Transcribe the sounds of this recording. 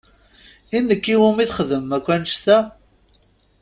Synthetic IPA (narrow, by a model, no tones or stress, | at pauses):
inːəkːiwumiθχəðəmːækʷːænəʃt̪æ